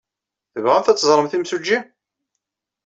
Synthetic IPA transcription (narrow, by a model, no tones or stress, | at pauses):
θəvʁæmθæt͡sːzˤɾˤəmθimsud͡ʒːi